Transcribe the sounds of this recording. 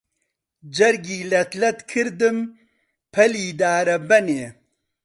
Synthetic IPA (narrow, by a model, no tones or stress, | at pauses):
d͡ʒɐɾɡiːlɐt̪lɐt̪kʰɨɾd̪ɨm | pʰɐliːd̪aːɾɐbɐneː